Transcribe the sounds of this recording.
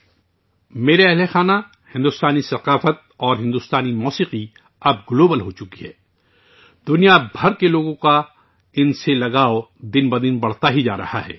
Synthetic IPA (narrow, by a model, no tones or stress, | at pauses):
meːɾeɐɦlexaːna | hɪ̃nd̪ʊst̪aːnisɐqaːfət̪̚ɔːɾɦɪ̃nd̪ʊst̪aːnimɔːsiːqi | ɐb̚ɡloːbəlɦot͡ʃʊkiɦɛ̰ː | d̪ʊnijabʱɐɾkeloːɡõka | ɪnselɐɡaːod̪ɪnbɐd̪ɪnbɐɽ̤t̪aɦid͡ʒa̰ːɾɐ̰ha̰ɦɛ̰ː